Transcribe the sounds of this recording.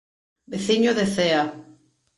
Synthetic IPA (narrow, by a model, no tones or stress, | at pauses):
beθiɲoðeθea